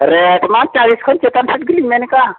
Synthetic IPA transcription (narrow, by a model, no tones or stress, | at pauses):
ɾeʈman̚t͡ʃaliskʰənt͡ʃet̪ansʰit̪ɡilimeneka